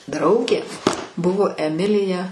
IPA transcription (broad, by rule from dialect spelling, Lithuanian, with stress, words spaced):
ˈdrɐʊɡʲeː ˈbʊʋoː ɛˈmʲɪlʲɪjɛ